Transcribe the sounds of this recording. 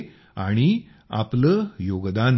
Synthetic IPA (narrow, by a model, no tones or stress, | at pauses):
a̰ɽ̃i | a̰pləjoɡd̪an